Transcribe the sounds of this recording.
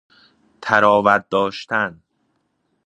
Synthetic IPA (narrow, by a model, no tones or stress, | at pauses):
t̪ʰæɾɒːvæt̪̚d̪ɒːʃt̪ʰæn